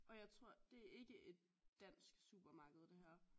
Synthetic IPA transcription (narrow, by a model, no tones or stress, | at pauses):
ʔɒ̽jɑ̈ɪt͡sʰʁo̝ɐ̰d̥e̝æɐe̝ɡ̥əʔe̝d̥̚ː | æn̰sɡ̥sṵːb̥ɐmɑ̈ːɡ̥əð̞̩ˠd̥e̝ɦæɐ̰